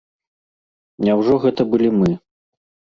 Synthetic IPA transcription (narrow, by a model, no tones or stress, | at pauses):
nʲawʐɔɣɛt̪ɐbɨlʲimɨ